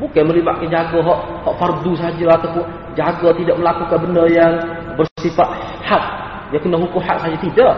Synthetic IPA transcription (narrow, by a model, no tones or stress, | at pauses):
bukaməliba̰ʔ̪̚kand͡ʒaɡɔɦɔʔ | hɔʔfardus̬aad͡ʒaat̪awpʊn | d͡ʒaɡat̪idaʔ̚məlakukanbəndərjaŋ | bərsifat̪̚ | hat̪̚ | jakənaɦukʊmhat̪saɦad͡ʒat̪idaʔ